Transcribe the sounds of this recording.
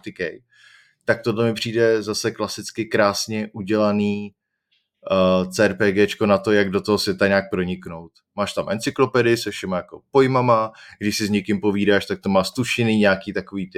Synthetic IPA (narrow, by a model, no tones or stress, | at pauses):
t̪ɪkɛj | t̪ak̚t̪odlɛmɪpr̥iːdɛzasɛklasɪt͡skɪkɾaːsɲɛʔuɟɛlaniː | t͡sɛːɾpɛːɡɛːt͡ʃko̞nat̪o̞jaɡdo̞t̪oɦosvjɛt̪aɲaːk̚pɾo̞ɲɪkno̞wt̪maːʃt̪amʔɛnt͡sɪklo̞pɛdɪsɛfʃɛmajako̞po̞jmamaɡdɪʃsɪzɲɛkɪmpo̞viːdaːʃt̪ak̚t̪omaːst̪uʃɪniːɲaːkiːt̪ako̞viːt̪ɪ